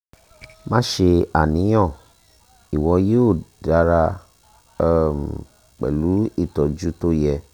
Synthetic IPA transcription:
mã˦ʃe˧a˨nĩ˨˦j̃ɔ̃˦˨ | i˨wɔ˧˦je˦o˦˨da˨˦ɾa˧˦ | m˨ | k͡pɛ̰˨lu˨˦i˦˨tɔ˨d͡ʒu˦to˦jɛ˧

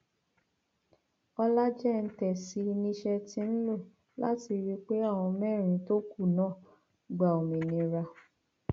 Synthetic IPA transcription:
ɔ˧la˦d͡ʒɛ˦˧n̩˦tɛ˨si˧nĩ˦ʃɛ˦˧tĩ˧˦n̩˦lo˦˨ | la̰˦ti˧ɾi˦k͡pe˦a˦˨w̃ɔ̃˧mɛ˦˨ɾ̃ĩ˧to˦ku˦˨nãː˦˨ | ɡ͡ba˨o˨mĩ˨nĩ˧ɾa˧

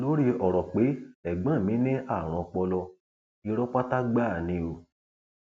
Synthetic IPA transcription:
lo˨˦ɾi˧ɔ˨ɾɔ˨k͡pe˨˦ɛ˨ɡ͡bã˨˦˨mĩ˨˦nĩ˦ʔa˦˨ɾ̃ɔ̃˨˧k͡pɔ˧lɔ˧ | i˧ɾɔ˦k͡pa˦ta˦ɡ͡ba˦˨nĩ˧o˧

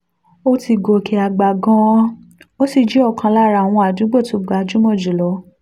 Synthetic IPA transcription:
o˦ti˧ɡo˨ki˧a˨ɡ͡ba˨ɡɔ̃˧˦ | o˦ti˧d͡ʒi˨˦ɔ˦˨kʰã˧la˦˨ɾa˧˨w̃ɔ̃˧a˨d͡ʒũ˨˦ɡ͡bo˦˨to˧˦ɡ͡ba˨˦d͡ʒu˦mɔ̃˦˨d͡ʒu˨lɔ˨˦

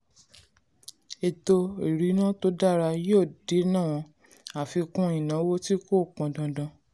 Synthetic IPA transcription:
e˨to˧i˨ɾi˨˦nã˦to˦da˦˨ɾa˧jo˦˨di˨˦nã˦˨w̃ɔ̃˧ | a˨fi˧kũ˦ĩ˨nã˨˦wo˦ti˦ko˦˨k͡pɔ̃˧dã˧dã˧

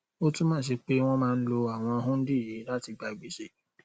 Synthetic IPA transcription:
o˦tũ˦mãː˦ʃ̬e˧k͡pe˦w̃ɔ̃˦mãː˦˧n̩˦lo˧a˨w̃ɔ̃˧ɦũ˦n̩˦di˦˨je˨˦la˦ti˧ɡ͡ba˨˧i˨ɡ͡bi˦ʃe˦˨

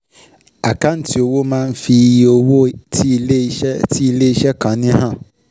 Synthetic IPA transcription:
a˨ka˦n˦ti˨o˧wo˦mãː˦n̩˦fi˧˨o˧wo˦tʰi˦i˧le˦i˦ɛ˦tʰi˦i˨le˦i˦ʃɛ˦kã˨nĩ˦ɦã˦˨

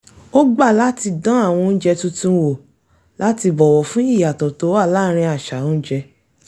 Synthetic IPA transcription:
o˦ɡ͡ba˦˨la˦ti˧dã˦a˦˨w̃ɔ̃˧n̩˦d͡ʒɛ˧tũ˦tũ˦wo˦˨ | la˦ti˧bɔ˨wɔ˨fũ˦i˦˨ja˨tɔ˨to˨˦a˦˨la˦ɾ̃ĩ˧a˨ʃa˨ũ˦n̩˦d͡ʒɛ˧

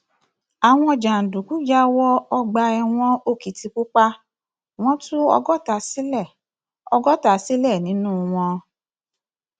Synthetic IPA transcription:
a˨w̃ɔ̃˧d͡ʒã˨n̩˨du˨ku˨˦d͡ʒa˦wɔ˦ɔ˧ɡ͡ba˧ɛ˧w̃ɔ̃˧o˦˨ki˨ti˧ku˦k͡pa˦ | w̃ɔ̃˦tu˦ɔ̰˧ɡɔ˦ta˧si˦lɛ˦˨ | ɔ˧ɡɔ˦ta˧˦si˦lɛ˦˨nĩ˨˦nũ˦˧w̃ɔ̃˧

